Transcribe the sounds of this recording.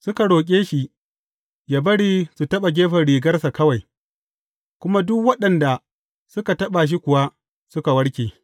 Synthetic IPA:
sʊ˦ka˨ɽoː˨k̬ʲʼeː˦ʃi˨ | ja˨bɐ˦ɽiː˦su˨tɐ˦ɓa˨ɡʲeː˦ɸɐ˨ɽiː˨ɡɐ˦rsa˨kɐ˦wa˨j | kʷʊ˦ma˦dʊ˦kwɐ˦ɗɐ˨nda˨ | sʊ˦ka˨tɐ˦ɓa˨ʃ̬i˦kʷʊ˨wa˦ | sʊ˦ka˨wɐ˦ɽkʲeː˨

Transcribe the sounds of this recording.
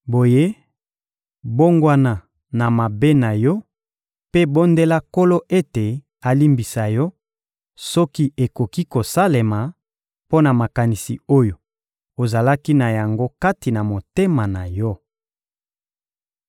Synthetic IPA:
bo˨je˦ | bo˦ŋɡwa˦na˨ | na˨ma˨be˦na˨jɔ˦ | pe˦bo˦nde˦la˦ko˦lo˦ʔe˦te˨ | a˨li˦mbi˨sa˨jɔ˦ | sɔ˦ki˦e˨ko˨ki˦ko˨sa˦le˨ma˨ | po˦na˨ma˨ka˨ni˨sḭ˨o˦jo˨ | o˨za˨la˦ki˦na˨ja˨ŋɡo˦ka˦ti˨na˨mo˨te˦ma˨na˨jɔ˦

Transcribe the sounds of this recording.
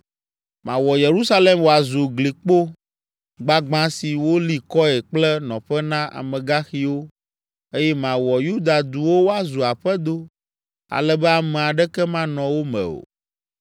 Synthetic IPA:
mã˨wɔ˨je˨ɾu˦sa˦le˦mwo˨a˨zu˨ɡli˨k͡po˦ | ɡ͡ba˦ɡ͡bã˦si˨wo˦li˦kɔ˦ɛ˨k͡plɛ˦nɔ̃˨ɸɛ˦nã˦ʔa̰˨mɛ̃˨ɡa˦xi˦wo˦ | e˦jɛ˦mã˨wɔ˨ju˦d̪a˨d̪u˨wo˦wo˦a˦zu˨a˨ɸɛ˦d̪o˦ | a̰˨lɛ˦bɛ˦a˨mɛ̃˨a˨ɖɛ˦kɛ˦mã˦nɔ̃˨wo˦mɛ̰̃˨o̰˨

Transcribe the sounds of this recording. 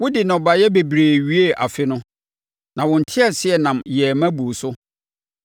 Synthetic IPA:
wʊ˦dɪ˨nɔ̃˨ba˨jɛ˦be˨bɾeː˨ɥi˦e˦ʔa̰˨fɪ˦nʊ̃˦ | nã˨wʊ̃˨n̩˨tʰɪ˦a˨sɪ˦ɛ˨nã˨mjɛ˨mæ̃˦bu˨sʊ˦

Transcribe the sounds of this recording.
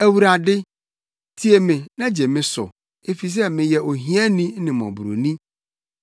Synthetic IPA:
æ˨wu˨ɾa˨dɪ˦ | tʰi˦e˨mɪ̃˨nã˦d͡ʑɛ˨mɪ̃˦sʊ̰˨ | e˦fi˨s̬ɛ˦mɪ̃˨jɛ˨o˨ɦĩ˦ã˦nĩ˦nɪ̃˨mɔ̰̃˨bu˨ɾo̰˨nĩ˦

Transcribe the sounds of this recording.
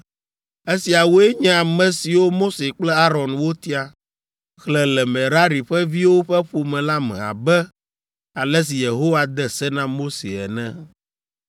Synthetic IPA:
e˦si˨a˨wo˦e˦ɲɛ̃˦a˨mɛ̃˨si˨wo˦mo˦se˨k͡plɛ˦a˦ɾɔ˨nwo˦t̪i˦a˨ | xlɛ˨lɛ˨mɛ̃˨ɾa˦ɾi˨ɸɛ˦vi˦wo˦ɸɛ˦ɸo˨mɛ̃˨la˦mɛ̰̃˨a̰˨bɛ˦ | a˨lɛ˦s̬i˨je˨ɦo˦wa˨d̪ɛ˦sɛ˦nã˦mo˦sḛ˨ɛ̰˨nɛ̃˦

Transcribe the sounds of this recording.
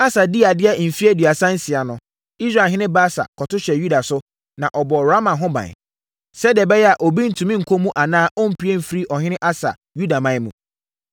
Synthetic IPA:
a˦sa˨di˦a˨dɪ˦ɛ˦m̩˨fi˦ɛ˦dɥa˨sã˦n̩˦sɪ˨a˨nʊ̃˦ | i˦sɾa˨ɦɪ̃˦nɪ̃˦baː˦sa̰˨kʰɔ˨tʊ˦ɕɛ˨ju˦da˨sʊ˦ | nã˨ʔɔ˨bɔː˨ɾa˦mã˨ɦʊ̃˦bã̰˨ | sɛ˦di˨ɛ˨bɛ˦jɛ˦a˨ʔo˨bi˦n̩˨tʰũ˨mĩ˦ŋ̩˨kʰo˦mũ˦ʔa˨nãː˦ʔɔ˦m̩˦˨pʰi˦e˦m̩˨fɾi˦ʔɔ˨ɦɪ̃˦nɪ̃˦ʔa˦sa̰˨ | ju˦da˨mã˦mũ˨

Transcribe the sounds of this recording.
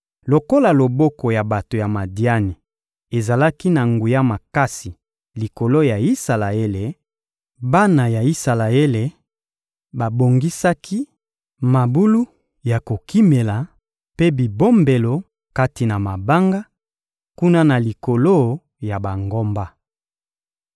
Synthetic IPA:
lo˨ko˦la˨lo˨bo˦ko˨ja˨ba˨to˨ja˨ma˨di˦a˦ni˨ | e˨za˨la˦ki˦na˨ŋɡu˨ja˦ma˨ka˦si˨ | li˨ko˨lo˦ja˨i˦sa˨la˨e˦le˨ | ba˦na˨ja˨i˦sa˨la˨e˦le˨ | ba˨bo˨ŋɡi˦sa˦kʰi˦ | ma˨bu˦lu˦ | ja˨ko˨kʰi˦me˨la˨ | pe˦bi˨bo˦mbe˨lo˨ | ka˦ti˨na˨ma˨ba˦ŋɡa˦ | ku˦na˦na˨li˨ko˨lo˦ | ja˨ba˨ŋɡo˦mba˦

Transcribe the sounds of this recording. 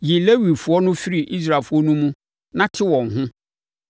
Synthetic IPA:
ji˨le˦wi˨fʊ˨ɔ˦nʊ̃˦fi˦ɾi˨ʔi˦s̬ɾa˨fʊ˦ɔ˦nũ˦mũ˦ | nã˦tʰɪ˦wɔ̃˨ŋ˨hʊ̃˦

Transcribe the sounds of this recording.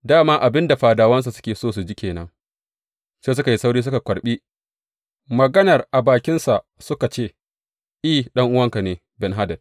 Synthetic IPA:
daː˦maː˦ʔa˨bɪ˦nda˨ɸaː˨daː˨wɐ˦ns̬a˨sʊ̥˦kʲeː˨soː˦s̬u˨d͡ʒɪ˦kʲeː˨nɐ̰˨ŋ | seː˦s̬ʊ˦ka˨ji˦sa˦wɽiː˦s̬ʊ˦ka˨kʷɐ˨ɽɓiː˦ | mɐ˨ɡɐ˦nɐ˨rʔa˨baː˨kʲɪ˦nsa˨ʔsʊ˦ka˨t͡ʃeː˦˨ | ʔiː˦˨ɗɐ˦ŋʔʊ˦wɐ˦ŋka˨neː˨ | bɛ˨nɦa˦dɐ˨d̚

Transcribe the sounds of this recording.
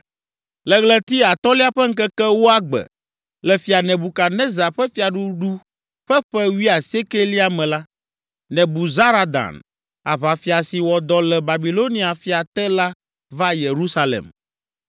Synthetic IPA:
lɛ˦ɣlɛ˦t̪i˦a˨t̪ɔ˦li˦a˦ɸɛ˦ŋ̩˦kɛ˦kɛ˦wo˦a˦ɡ͡bɛ̰˨ | lɛ˨fi˨a˨nɛ̃˨bu˨ka˨nɛ̃˦za˨ɸɛ˦fi˨a˨ɖu˦ɖu˦ | ɸɛ˦ɸɛ˦wi˦a˨se˦ke˦li˦a˦mɛ̃˨la˦ | nɛ̃˨bu˨za˦ɾa˦d̪a̰˨n | a̰˨βa˨fi˨a˨si˨wɔ˨d̪ɔ˦lɛ˨ba˨bi˨lo˦nĩ˦a˨fi˦a˨t̪ɛ˦la˦ | va˦je˨ɾu˦sa˦lɛ̰˨m

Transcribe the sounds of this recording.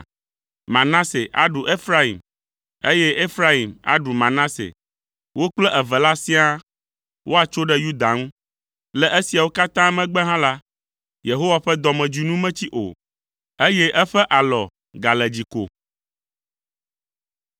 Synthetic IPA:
mã˨nã˦se˨ʔa̰˨ɖu˨ʔe˦fɾa˦i˨m | e˦jɛ˦ʔe˦fɾa˦i˨ma̰˨ɖu˨mã˨nã˦sḛ˨ | wo˦k͡plɛ˦ʔɛ˨vɛ˨la˦sĩ˦a˦ | wʔo˦a˨t͡ʃo˦ɖɛ˦ju˦d̪a˨ŋũ˦ | lɛ˨ʔe˦si˨a˨wo˦ka˦t̪ã˦mɛ̃˦ɡ͡bɛ˦ɦã˦la˦ | je˨ɦo˦wa˨ɸɛ˦d̪ɔ˨mɛ̃˨d͡ʑu˨nũ˦mɛ̃˦t͡ɕi˦ʔo̰˨ | e˦jɛ˦ʔɛ˦ɸɛ˦ʔa˨lɔ˨ | ɡa˨lɛ˨d͡ʑi˨ko̰˨

